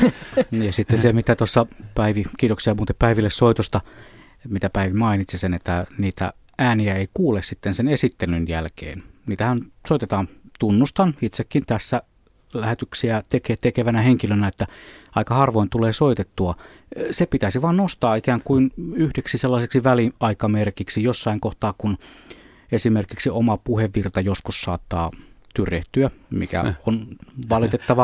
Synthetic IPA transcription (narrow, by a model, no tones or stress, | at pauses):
jɑsit̪ːesemit̪æt̪osːɑpæiʋikiːt̪oksiɑmuːt̪eppæiʋilːessoit̪ost̪ɑ | mit̪æpæiʋimɑinit̪sisenet̪ːæniːt̪æ̰ | æːniæeikuːlessit̪ːensenesit̪ːelynjæ̰lkḛːnniːt̪æhænsoˑit̪et̪ɑːnt̪unːust̪ɑnit̪sekːint̪æsːæ | læhet̪yksiæt̪eket̪ekeʋænæheŋkilønæet̪ːæɑikɑhɑrʋoˑint̪uleːsoit̪et̪ːuɑ | sepit̪æsiʋɑːnnost̪ɑːikæːŋkuinyhdeksiselːɑseksiʋæliɑikɑmerkiksijosːɑiŋkoht̪ɑːkun | esimerkiksiomɑpuheʋːirt̪ɑjoskussɑːt̪ːɑ̰ːt̪yrjeht̪yæmḭkæ̰onʋɑlit̪et̪ːɑʋɑ